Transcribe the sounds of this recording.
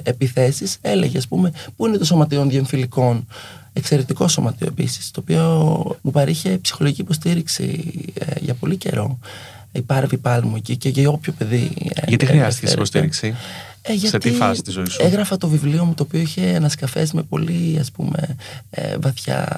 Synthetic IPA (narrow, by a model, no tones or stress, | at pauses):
epiθe̞sise̞le̞̰ʝeɐspume̞puinet̪o̞so̞mɐt̪io̞nðieɱfiliko̞n | e̞kse̞ɾe̞t̪iko̞somɐt̪ioe̞pḭsi̥st̪o̞ːpiomupɐɾiçepsi̥xo̞loʝicipo̞s̬t̪iɾiksḭḛʝɐpo̞lice̞̰ɾo̞ | ipɐɾvipɐlimueciceʝɐo̞pço̞pe̞ðiḛɐt̪ixɾiɐsseesɾost̪iɾiksi | eʝɐt̪iifɐt̪izoiseɣɾɐfɐt̪o̞vivlio̞mut̪o̞ːpioiçe̞enɐskɐfe̞̰zmepo̞̰liɐspṵme̞̰ | vɐθçɐ̰